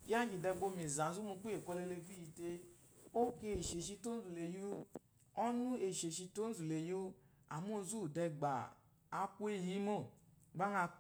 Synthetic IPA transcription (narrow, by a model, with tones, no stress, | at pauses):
ja˦d͡ʒi˨dɛ˧ɡ͡bo˧˨me˨za˨zu˦mu˧k͡pu˦e˨ko˧le˧le˧vi˦i˨˧te˧ | o˦ke˧˦e˨ʃe˨ʃi˧to˦n̩˦zu˨le˨ju˦ | ɔ˦nu˦e˨ʃe˨ʃi˧to˦n˦zu˨le˨ju˦ | a˨mu˦zu˦˨dɛ˧ɡ͡ba̰˨ | a˦ku˦e˦˨ɦi˦mo˦˨ɡ͡ba˦na˧